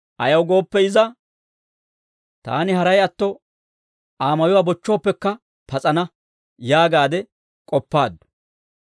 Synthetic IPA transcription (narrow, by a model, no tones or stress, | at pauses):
ʔɐjɐwɡo̞ːpːɛɪzɐ | t̪a̰ːnɪɦɐɾɐjɐt̪ːɔ | aːmɐjɔwaːbɔt͡ʃːoːpːɛkːɐ | pɐt͡sʼɐnɐ | jaːɡaːd̪ɛ | kʼɔpːaːd̪ːʊ̥